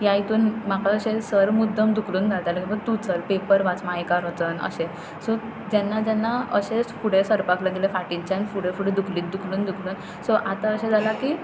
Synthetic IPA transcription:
jait̪uːnmakaəɕesəɾmud̪ʱːəmd̪ukʰluːnd͡zʱalt̪alakĩʋəɾt̪ut͡səlpepəɾʋat͡smajkaɾət͡sənə̰ɕẽ | sɔ | d͡ʑɛnːad͡ʑɛnːaəɕefuɽ̤esəɾpakləɡilefaʈiɲt͡ɕãnfuɽ̤efuɽ̤ed̪ukʰliːt̪̚d̪ukʰluːnd̪ukʰluːn | sɔʔat̪aəɕẽd͡zʱalaki

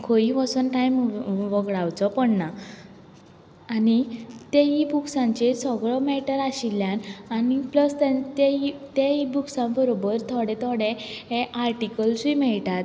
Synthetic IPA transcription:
kʰoiʋəsunʈajmʋəɡɭawt͡sɔpɔɳna | nit̪eɦibuksãɲt͡ɕesɔɡɭɔmɛʈəɾaɕilːjãnanipləst̪ẽt̪eit̪eibuksãbəɾobəɾt̪ʰɔɽɛ̃t̪ʰɔɽẽɦeʔaɾʈikəlsimɛɭʈat̪

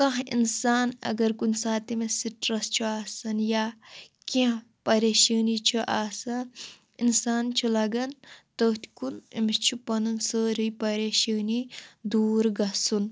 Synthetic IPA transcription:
kɐ̃ɦinsaːnɐ̰ɡɐɾkunsaːt̪imesiʈɾɐst͡ʃʰuaːsɐnjaːkĩ | pɐɾeːʃəːnit͡ʃʰuʔaːsɐn | insaːnt͡ʃʰulɐɡɐnt̪əːt̪ʰkunimist͡ʃʰupɐnunsəːɾijpɐɾeːʃəːnid̪uːɾɡɐsun

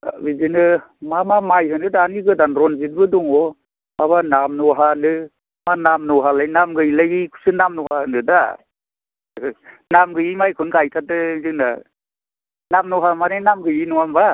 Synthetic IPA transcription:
bizinɯ | mamamajɦɯnɯdaːniɡɯdanɾɔnzit̚bɯdɔŋɔ | aβanamnɔɦalɯ | manamnɔɦalajnamɡɯjlaɡikʰu̥sɯnamnɔhaɯnɯda̰ | namɡɯjimajkʰɯnɡajtʰatɯzina̰ | namnɔɦamanenamɡɯjinɔamba

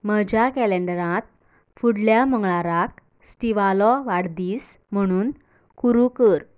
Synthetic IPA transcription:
məd͡ʑakæleɳɖəɾãt̪̚ | fuɽljaməŋɡɭaɾak | sʈiʋalɔʋaɽd̪iːs | m̤əɽ̃uːn | kuɾukəɾ

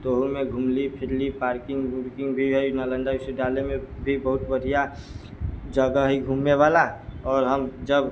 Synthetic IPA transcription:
t̪oɦumẽɡʱumlipʰɪɾlipaːɾkɪ̃ŋɡbuɾkɪ̃ŋɡbʱiɦoinalə̃nɖaɪseɖaːlemẽbʱibəɦʊt̪bəɽʱija | d͡ʒəɡəɦiɡʱuːmːewaːlaɔːɾɦəmd͡ʒəb

